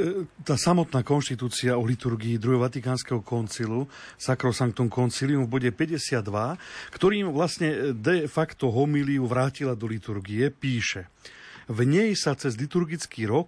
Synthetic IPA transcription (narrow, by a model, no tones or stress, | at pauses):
t̪aːsamɔt̪naːkɔnʃt̪it̪uːt͡siaɔlit̪uɾɡiːd̪ɾuɦɛʋat̪ikaːnskɛɦɔkɔnt͡silusakɾɔsaŋkt̪ɔmkɔnt͡silijumvbɔɟɛpɛɟɛsɪad̪ːʋakt̪ɔɾiːmʋlasɲɛd̪ɛfakt̪ɔɦɔmiliuʋɾaːcilad̪ɔlit̪uɾɡiɛpiːʃɛ | vɲɛjsat͡sɛzlit̪uɾɡit͡skiːɾɔk